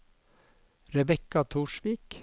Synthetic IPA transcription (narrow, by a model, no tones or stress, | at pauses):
ɾɛbɛkɑt̪ʰuːʃʋiːk